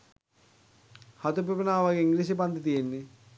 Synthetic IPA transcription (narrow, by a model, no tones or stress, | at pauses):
hat̪upepenaːʋaɡeiŋɡlis̬ep̬and̪ət̪ijenːe